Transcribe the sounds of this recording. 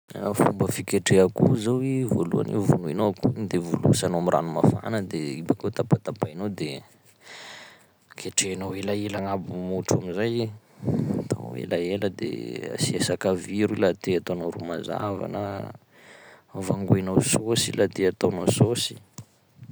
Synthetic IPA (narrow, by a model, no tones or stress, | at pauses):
afumbəfikeʈ͡ʂeakuzawivolṵa̰nḛwvonuinoakund̪evolṵsanoamirʔa̰numafa̰nəd̪eibakot̪apat̪apainod̪e | kʰeʈ͡ʂenawelaelaŋabumuʈ͡ʂamizaj | t̪a̰n̰wḛlaeləd̪ḛa̰siesakaviɾilat̪eat̪onowɾumaza̰va̰nə̰ | vaŋɡuenawsosilat̪eat̪onososi̥